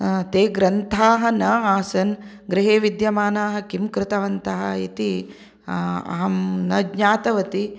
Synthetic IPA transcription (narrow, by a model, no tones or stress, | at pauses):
t̪eːɡɾɐnt̪ʰaːɦɐnɐaːsɐn | ɡɾɪɦeːʋid̪jɐmaːnaːɦɐkimkɾɪt̪ɐʋɐnt̪ɐɦɐ̰ḭt̪i | ɐ̰ɦɐmnɐɡɲaːt̪ɐʋɐt̪i